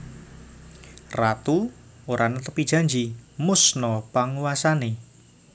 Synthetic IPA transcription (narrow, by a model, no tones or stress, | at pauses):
rat̪uoɾanət̪əpid̥ʒ̥a̤ɲd͡ʒimʊsnɔpaŋuwasane